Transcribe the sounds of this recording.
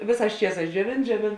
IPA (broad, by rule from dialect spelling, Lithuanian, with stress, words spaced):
ˈʋʲeːˌsɑːs ˈt͡ʃʲiɛˌsɑːs d͡ʒʲuɔˈʋʲeːn d͡ʒʲuɔˈʋʲeːn